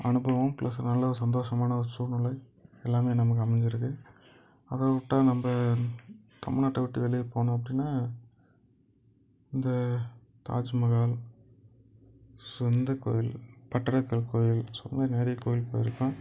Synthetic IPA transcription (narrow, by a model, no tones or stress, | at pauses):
ɐ̰ɳɯbɐʋɯmklʔɐ̰sɯnɐlːɐɾɯsɐnd̪oːʂɐmaːnɐɾsuːnʊlːɐɪ | ɛlːaːmeːnɐmɐkːɯɐmɛɲd͡ʒɪɾɯkːɯ | ɐʋɐʋɪʈːãːnɐmbɐ | t̪ʰɐ̰mɪɭnaːʈːɐʋɪʈːiʋɛɭɪjɐpoːɳʊ̃ːɐp̬ːɐɽɪnːaː | ɪnd̪ɐ | t̪a̰ːd͡ʒmɐɣaːl | sʊnd̪ɐko̰ːjɪlpɐʈːɐɾɐkːɐɭkoːjɪlsʊ̰nːɐneːɾɪɐkːoːjɪlpoːjɪɾɯkːõː